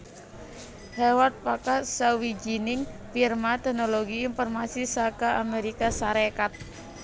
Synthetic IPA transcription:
hɛwat̪̚pakasawid͡ʒinɪŋfirmat̪ɛhnoloɡiːnfɔrmasisakaʔameɾikasaɾekat̪̚

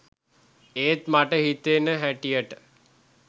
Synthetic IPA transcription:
eːt̪maʈəɦit̪enəɦæʈijəʈə

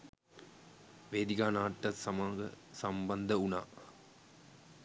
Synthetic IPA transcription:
ʋeːd̪iɡaːnaːʈːəsamaːŋɡə̰ | samband̪əuna̰ː

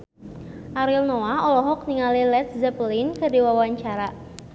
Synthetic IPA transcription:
ʔaɾilnɔaɔlɔɦɔk̚niŋalilɛt̪̚zɛplɪnkədiwawaɲt͡ʃaɾa

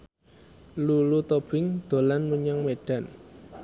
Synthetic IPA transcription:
lulut̪ob̥ɪŋd̪̥o̤lanmuɲaŋmeɖ̥a̤n

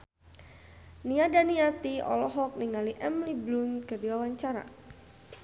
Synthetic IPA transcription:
niadaniat̪iɔ̰lɔɦɔk̚niŋaliʔɛmliblunkərdiwawaɲt͡ʃaɾa̰

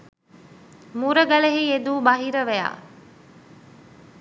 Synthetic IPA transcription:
muɾəɡəleɦied̪uːbaɦiɾəʋeja̰ː

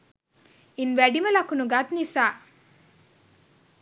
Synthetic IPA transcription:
inʋæɖimɐlɐkunuɡat̪nisaː

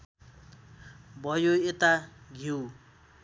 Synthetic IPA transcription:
bʱʌjoet̪aɡʱiw

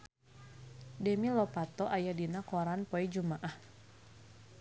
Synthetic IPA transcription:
dɛmilɔpat̪ɔʔajadinakɔɾanpɔid͡ʒumaʔah

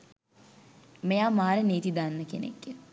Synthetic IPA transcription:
mejaːmaːɾeneːt̪id̪anːəkḛnḛkːə

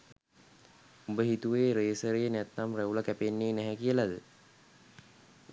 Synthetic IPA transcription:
umbəɦit̪uʋeːɾeːsəɾəjənæt̪ːamræulakæpenːeːnæɦɛkijəlad̪ə

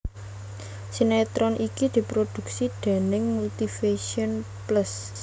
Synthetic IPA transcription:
sinɛt̪ɾɔnʔikid̪̥i̤pɾod̪̥ṳk̚sid̪̥e̤nɪŋmult̪ifeʃiɔn | pləs

